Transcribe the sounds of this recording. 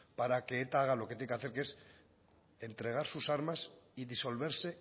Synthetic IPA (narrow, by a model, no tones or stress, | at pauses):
paɾake̞et̪aaɣ̞alo̞ket̪jeŋkeaθeɾkes | e̞nt̪ɾe̞ɣ̞aɾsusaɾmasiðiso̞lβ̞e̞ɾse̞